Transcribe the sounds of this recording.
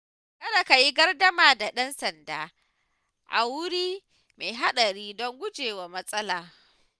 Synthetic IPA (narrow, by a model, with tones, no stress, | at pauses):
kɐ˦na˨ka˨ji˦ɡɐ˦rdɐ˦maː˨da˨ɗɐ˦nsɐ˨ndaː˨ | ʔa̰˨wʊ˦ɾiː˦ | me˨ɦa˦ɗɐ˨ɾiː˦dɔ˦ŋɡʷʊ˦d͡ʒeː˨wa˨mɐ˦sʼɐ˦laː˨